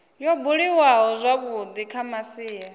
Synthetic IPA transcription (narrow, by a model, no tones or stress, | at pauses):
jɔbuɺiwaɦɔzʷaβud̪ikʰamasiːja